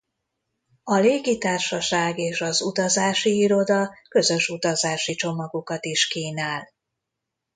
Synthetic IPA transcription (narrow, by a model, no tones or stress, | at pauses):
ɒleːɡit̪aːrʃɒʃaːɡeːʃɒzut̪ɒzaːʃiiɾo̞d̪ɒkø̞zø̞ʃut̪ɒzaːʃit͡ʃo̞mɒɡokɒt̪iʃkiːnaːl